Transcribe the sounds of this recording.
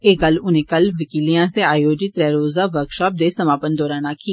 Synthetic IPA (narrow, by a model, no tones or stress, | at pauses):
eːkəlʊnẽːkəlʋɪkiːlijãːst̪eːaːjoːd͡ʒɪt̪ɾɛːɾoːzaːʋəɾkʃaːp̚d̪eːsəmaːpənd̪ɔːɾaːnãːkʰiː